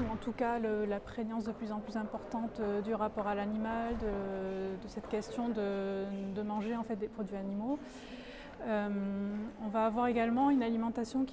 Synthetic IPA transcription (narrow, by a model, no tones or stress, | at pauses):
uɑ̃t̪ukaləlapχenɑ̃s̬d̪əplyzɑ̃plyzɛ̃pɔʁt̪ɑ̃t̪d̪yʁapɔʁalanimald̪əd̪əsɛt̪kʲɛst̪jɔ̃d̪əd̪əmɑ̃ʒeɑ̃fɛt̪̚d̪epχɔd̪ɥianimo | ømɔ̃vaːvwaʁeɡalmɑ̃ynalimɑ̃t̪asjɔ̃k